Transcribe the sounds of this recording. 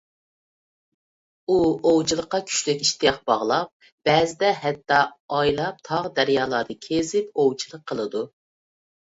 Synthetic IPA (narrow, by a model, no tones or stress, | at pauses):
uowt͡ʃʰilˠəqːɑkʲʰy̥ʃlykʲiʃt̪ʰijɑχb̥ɑʁlˠɑp̚ | b̥ɛːzɪd̪ɛɦɛt̪ːɑːjlˠɑp̚t̪ʰɑʁd̪æɾjɑːlˠɑd̪ɨkʲʰezɪpowt͡ʃʰilˠəqʰːəlˠɨd̪u